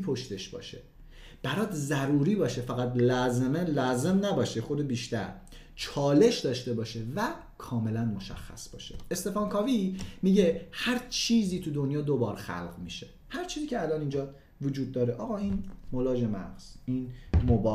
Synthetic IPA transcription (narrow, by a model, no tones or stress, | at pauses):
pʰoʃt̪e̞ʃbɒ̰ːʃe | b̥æɾɒːd̪zæɾuːɾiːbɒːʃefæɣæt̪lɒːzemelɒːze̞mnæbɒːʃexod̪ebiːʃt̪æɾ | t͡ʃʰɒːle̞ʃd̪ɒːʃt̪e̞bɒːʃe̞væ | kʰɒːme̞lænmo̞ʃæ̰xːæ̰sb̥ɒ̰ːʃḛest̪e̞fɒːnkʰɒːvimiːɟe̞hæɾt͡ʃʰiːziːt̪ʰud̪o̞njɒːd̪obɒːɾxæ̰lɢmiːʃe̞ | hæɾt͡ʃʰiːziːcʰʲeælɒːniːnd͡ʒɒːd̪ | vod͡ʒuːd̪̚ːɒːɾeʔɒːɣɒːiːnmolɒːd͡ʒe̞mæ̰ʁz̥iːnmobɒ